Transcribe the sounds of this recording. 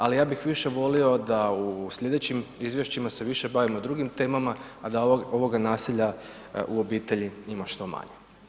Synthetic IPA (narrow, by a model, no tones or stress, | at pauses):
alijaːbixʋiʃe̞ʋo̞lio̞d̪ausʎʲe̞d̪et͡ɕimizʋje̞ʃt͡ɕimase̞ʋiʃe̞baʋimo̞d̪ɾuɡimt̪e̞ːmama | ad̪ao̞ʋo̞ɡanaːsiʎa | uo̞biːt̪e̞ʎiimaʃt̪o̞ma̰ɲe